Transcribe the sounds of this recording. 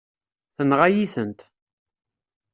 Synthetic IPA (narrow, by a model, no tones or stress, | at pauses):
θənʁajiθənt̪